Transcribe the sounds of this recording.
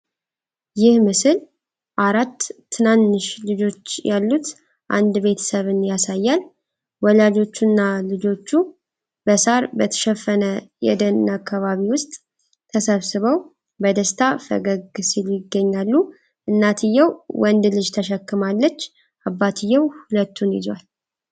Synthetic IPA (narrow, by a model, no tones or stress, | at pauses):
jɪhmɨsɨl | ʔaɾat̪ʰː | ɨnanːɨʃlɨd͡ʒo̞t͡ʃːjalːut̪ | ʔa̰nd̪be̞t̪ʰə̥səβɨnjasajːal | wɔlad͡ʒo̞t͡ʃːunːalɨd͡ʒo̞t͡ʃːu | bəsaɾbət̪ʰə̥ʃɛfːənəjɛ̰d̪ənnakʰːaβaβiwʊst̪ʼ | t̪ʰəsəβsɨβəw | bəd̪əst̪ʰafə̰ɡəɡsiljɪɡːəɲːalːu | ʔɨnːat̪ʰɨjːəwwɔnd̪lɨd͡ʒt̪ʰəʃəkːɨmalːət͡ʃː | ʔabːat̪ʰɨjːəwhulət̪ʰːunjɪ̰zwal